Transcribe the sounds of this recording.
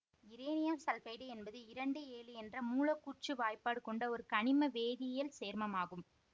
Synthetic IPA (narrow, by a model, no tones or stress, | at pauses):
ɪɾeːnɪjɐmsɐlfɐɪɽɯɛnbɐðɯɪɾɐɳɖɯeːlɯɛndrɐmuːlɐkːuːrt͡ʃɯʋaːjpaːɽɯkːɔɳɖɐɔɾɯkɐɳɪmɐʋeːðɪjɐlseːɾmɐmaːɣɯm